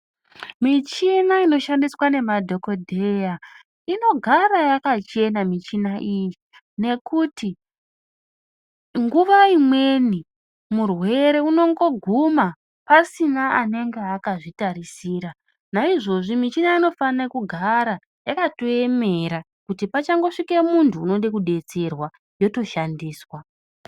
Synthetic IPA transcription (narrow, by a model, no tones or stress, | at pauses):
mit͡ʃinaino̞ʃandiswane̞madʱo̞ko̞dʱeja | ino̞ɡʱarajakat͡ʃe̞namit͡ʃinaʔiji | ne̞kuti | ŋɡuʋaimwe̞ni | murwe̞ɾeuno̞ŋɡo̞ɡʱuma | pasinaane̞ŋɡeakaʐitaɾisiːɾa | naiʐo̞ʐimit͡ʃinaino̞fanekuɡʱaɾa | jakato̞e̞me̞ɾa | kutipat͡ʃaŋɡo̞ʂikemuntʰuːno̞ɗekuɗe̞t͡se̞rwa | jo̞to̞ʃandiːswa